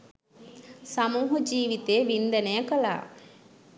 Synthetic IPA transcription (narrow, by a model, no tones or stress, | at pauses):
samuːɦud͡ʒiːʋit̪eːʋind̪ɐnejəkɐla̰ː